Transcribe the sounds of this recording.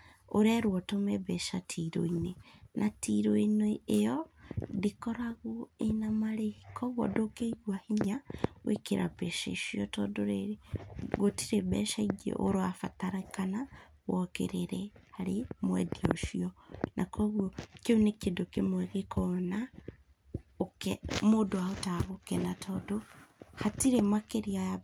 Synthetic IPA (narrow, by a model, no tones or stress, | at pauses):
oɾɛɾwɔtomɛβɛʃatʰiɾo̰inenʔatʰiɾoineejɔdekɔɾaɣoenamaɾekɔɣwɔ̰dokeiɣwahiɲawʔḛkeɾʔa̰bɛʃḛʃiɔtɔdoɾe | ɣotiɾebɛ̰ʃaiɡḛʔo̰ɾoafataɾakana | wɔkḛɾeɾɛhaɾemwɛ̰dio̰ʃiɔnʔakɔɣwɔkeonekedokemwɛɣekʰɔna | okɛmodoaotaɣokɛnatʰɔdohatiɾemakeɾiaja